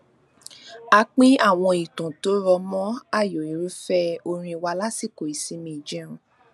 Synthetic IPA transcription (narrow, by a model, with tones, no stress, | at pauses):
a˧k͡pĩ˦a˦˨w̃ɔ̃˧i˨tũ˨to˨˦ɾɔ˧mɔ̃˦a˦˨jɔ˨i˨˦ɾu˦fɛ˦o˧ɾ̃ĩ˧i˧wa˧la˦si˦˨ko˨i˨sĩ˨˦mĩ˧˨d͡ʒɛ˦ɾ̃ũ˧